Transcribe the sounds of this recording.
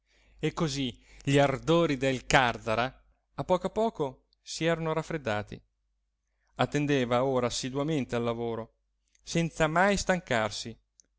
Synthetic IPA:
ekːoziʎiard̪oːɾid̪elkard̪aɾa | apːɔːkapɔːko | siɛːɾanoɾafːɾed̪ːaːt̪ḭ | at̪ːend̪eːvaoːɾaːsid̪wament̪ealːavoːɾo | sɛnt̪samajst̪aŋkarsi

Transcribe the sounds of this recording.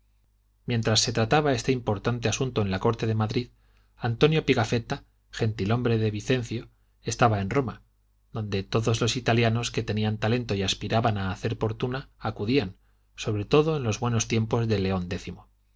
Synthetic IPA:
mje̞nt̪ɾasːe̞t̪ɾat̪aβae̞st̪e̞impo̞ɾt̪ant̪e̞asunt̪oe̞nlako̞ɾt̪e̞ðe̞maðɾið | ant̪o̞njo̞piɣafe̞t̪a | xe̞nt̪ilo̞mbɾe̞ðe̞β̞iθe̞nθjo̞ | e̞st̪aβae̞nro̞ma | ðo̞nd̪e̞t̪o̞ðo̞zlo̞sit̪aljano̞ske̞t̪e̞niant̪ale̞nt̪o̞iaspiɾaβanaːθe̞ɾpo̞ɾt̪unaːkuðian | so̞βɾe̞t̪o̞ðo̞enlo̞zβwe̞no̞st̪je̞mpo̞zðe̞le̞o̞nd̪e̞θimo

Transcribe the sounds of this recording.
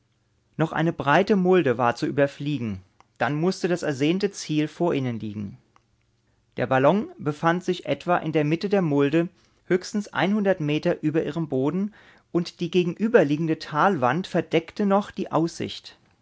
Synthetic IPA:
nɔχʔa̰ɪnəbʁaɪtəmʊldəvaːɐt͡suʔyːbɐfliːɡŋ̩ | d̥anmʊstədasɛɐzeːntət͡siːlfoːɐʔɪnənliːɡŋ̩ | d̥eːɐbalɔŋbəfantz̥ɪçʔɛ̰tv̥aʔɪ̰ndeːɐmɪtədeːɐmʊldə | høːçstn̩sʔa̰ɪnhʊndɐtmeːtɐʔyːbɐʔḭːʁ̞əmboːdn̩ | ʔʊntd̥iːɡeːɡŋ̩ʔyːbɐliːɡŋ̩dətʰaːlvantfɛɐd̥ɛktənɔχd̥iːʔa̰ʊsz̥ɪ̰çt

